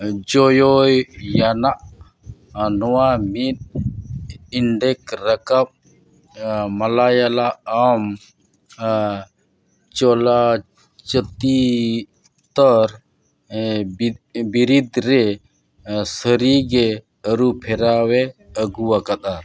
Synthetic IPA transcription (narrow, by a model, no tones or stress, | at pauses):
d͡ʒɔjɔjjanaʔ | nɔwamit̪̚ | iɳɖɛkɾəkap̚ | malajalaəm | t͡ʃɔla | t͡ʃət̪i | t̪ɔɾ | biɾid̪ɾɛ | səɾiɡɛ | əɾupʰɛɾawɛəɡuwakad̪a